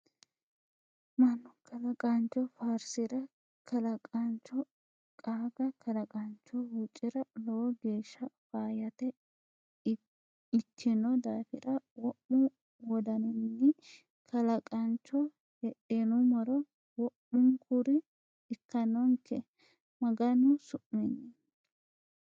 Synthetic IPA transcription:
mɐnːɔkʰɐlɐkʼɐnt͡ʃːɔfaːɾsɪɾɐ | kʰɐlɐkʼɐnt͡ʃːɔ | kʼaːɡɐkʰɐlɐkʼɐnt͡ʃːɔhut͡ʃʼɪɾɐlɔwɡe̞ːʃːɐfaːjɐt̪ɛ | ɪkʰːɪnɔd̪aːfɪɾɐwɔʔːʊ | wɔd̪ɐnɪnːɪ | kʰɐlɐkʼɐnt͡ʃːɔ | hɛʔɛnʊmɔɾɔ | wɔʔʊŋkʊɾɪ | ɪkːɐnɔŋkʰːɛ | mɐɡɐnʊsʊʔːɪnːɪ

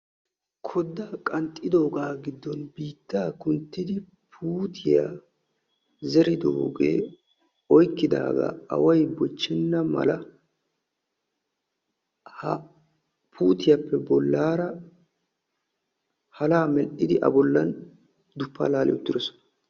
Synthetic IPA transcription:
kʰɔd̪ːakʼɐnt̪ʼːɪd̪o̞ːɡaːɡɪd̪ːɔnbiːt̪ːaːkʊnt̪ːɪd̪ɪ | pʰuːt̪ʰɪja̰ | zɛɾɪd̪ɔ̰ɡḛː | ɔjkːɪd̪a̰ːɡɐ̰ɐ̰wɐjbɔt͡ʃːɛnːɐmɐ̰lɐ | pʰuːt̪ɪjapːɛbɔlːaːɾɐ | hɐlaːmɛlʔɪd̪ɪʔɐ̰bɔlːɐn | d̪ʊpːa̰ːlaːlʔɪ̰jɔt̪ːɪd̪ɔsɔ̥nɐ

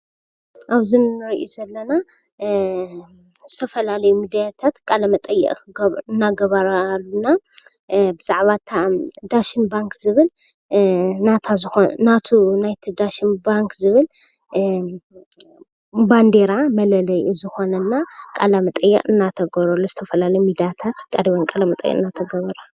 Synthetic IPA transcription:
ʔaβzinːɨɾiʔizɐlːɐna | zɨt̪ʰɐfɐlalɐjumid̪ijat̪ʰat̪kʼalɐmɐt̪ʼɐjːɛ̰ʔʼɨnːaɡɐβaɾaluna | bɨz̥aʕβat̪ʰad̪aʃɪnbaŋkʰzɨβɨl | nat̪ʰazɨxonat̪ʰunajt̪ʰid̪aʃinbaŋkzɨβɨl | band̪e̞ɾamɐlɐlɐjuzɨxo̞nɐnːakʼalamɐt̪ʼɐjːɛ̰kʼɨnːat̪ʰɐɡɐɾɐlːuzɨt̪ʰɐfɐlalɐjumid̪ijat̪ʰat̪kʼad̪iβɐnkʼalɐmɐt̪ʼɐ̰jːɛ̰ɨnːat̪ʰɐɡɐβɐɾa

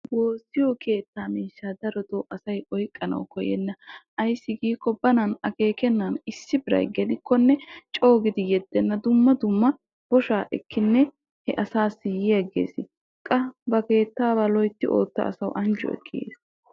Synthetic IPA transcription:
bo̞ːsːɪjɔke̞ːt̪ːaːmiːʃːaːd̪ɐɾɔt̪ɔʔɐsɐjɔjkʼːɐnɐ̰wkɔjɛ̰nːɐ | ɐjsːɪɡiːkːɔbɐnɐnɐke̞ːkɛnːɐnɪsːɪbɪɾɐ̰jɡɛd̪ɪkʰːɔnːɛt͡ʃʼo̞ːɡɪd̪ɪjɛd̪ːɛnːɐd̪ʊmːɐd̪ʊmːɐ | b̥ɔʃaːʔɛkːɪnːɛ | hɛ̰ʔɐsaːsɪjɪjɐɡḛːsɪ | kʼɐbɐke̞ːt̪ːaːbalɔjt̪ːɪʔo̞̰ːt̪ːɐ̰ʔɐ̰sɐwʔɐnd͡ʒɔ̰ɛ̰kʰːɪɡḛːs

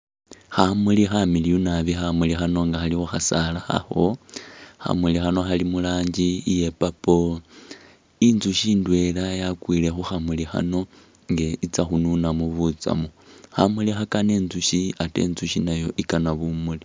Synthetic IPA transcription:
xamulixamilijunaβixamulixano̞ŋɡaxalixoxasalaxa̰xo̞ | xa̰mulixano̞xalimulaːɲɟiːje̞papo̞ | inzuʃiːndwe̞lajakwiːle̞xuxamulixa̰no̞ | ŋɡeit͡saxununamuβut͡sa̰muxamulixakane̞ːnzuʃiate̞̰ːnzuʃinajo̞ʔikanaβumuli

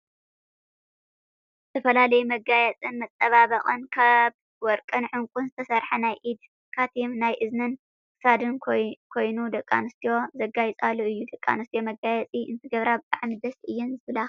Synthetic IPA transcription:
zzɨt̪ʰɐfɐlalɐjumɐɡajɛt͡sʼɨnmɐt͡sʼːɐβaβɐχʼɨnkʰaβ | wɔɾkʼɨnʕɨŋkʷʼunzɨt̪ʰɐsɐɾħɐnajʔid̪ | kʰat̪ʰimnajʔɨznɨn | kʼɨ̥sad̪ɨnkʰo̞jnud̪ɐkʼːanɨst̪ʰijo̞zɐɡajit͡sʼalːuɨjːud̪ɐkʼːa̰nɨst̪ijo̞mɐɡajɛt͡sʼiɨ̰nt̪ʰɨɡɐβɾabɨt̪ʼaʕmid̪ɐsɨjːɛnzɨbla

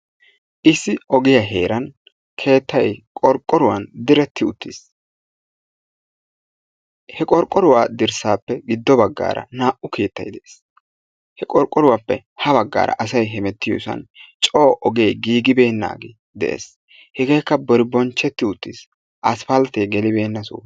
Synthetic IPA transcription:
ʔɪsːɪɔɡɪjɐɦe̞ːɾɐn | kʰe̞ːt̪ːɐjkʼɔɾkʼːɔɾʊwɐ̰nd̪ɪɾɛt̪ːɪʊt̪ʰːis | hɛkʼɔɾkʼːɔɾʊwaːd̪ɪɾsaːpːɛɡɪd̪ːɔbɐɡːa̰ːɾɐ̰naːʔʊkʰeːt̪ːɐjd̪ɛʔes | hɛkʼɔɾkʼːɔɾʊwapːɛ̰ | hɐbɐɡːa̰ːɾɐ̰ʔɐsɐjɦɛmɛt̪ːɪjʊ̰sɐ̰nt͡ʃʼoːʔɔɡeːɡiːɡɪbe̞ːnːa̰ːɡɛ | d̪ɛ̰ʔḛːs | hɛɡe̞ːkːɐbɔɾɪbɔnt͡ʃːɛt̪ːɪʊt̪ːis | ʔɐsfɐlt̪ːeːɡɛlɪbe̞ːnːɐsṵː

